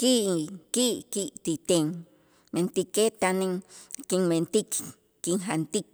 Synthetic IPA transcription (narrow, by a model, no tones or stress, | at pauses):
kiʔkiʔkiʔt̪it̪eŋ | mẽnt̪iket̪anẽŋkiŋmẽnt̪ik | kiŋɦant̪ik